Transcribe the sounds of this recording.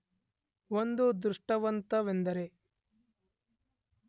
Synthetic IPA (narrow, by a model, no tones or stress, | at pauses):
ʋond̪ud̪ɾuʂʈɐʋɐnt̪ɐʋend̪ɐɾe